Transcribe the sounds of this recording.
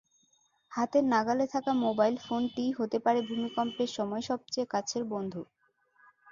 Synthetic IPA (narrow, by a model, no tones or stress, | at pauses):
hat̪eɾnaɡalet̪ʰakamobajlfonʈiɦot̪epaɾebʱumikɔmpeɾʃɔmɔeʃɔb̚t͡ɕeekat͡ɕʰeɾbond̪ʱu